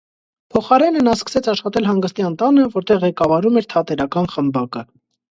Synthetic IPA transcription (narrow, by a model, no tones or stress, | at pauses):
pʰɔχɑɾɛnənɑskə̥sɛt͡sʰɑʃχɑt̪ɛlɦɑŋɡəst̪jɑnt̪ɑnəvɔɾt̪ɛʁːɛkɑvɑɾumɛɾt̪ʰɑt̪ɛɾɑkɑnχəmbɑkə